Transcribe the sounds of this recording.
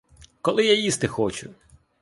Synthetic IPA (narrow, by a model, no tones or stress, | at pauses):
kɔlˠɪjajist̪ɪxɔt͡ʃʊ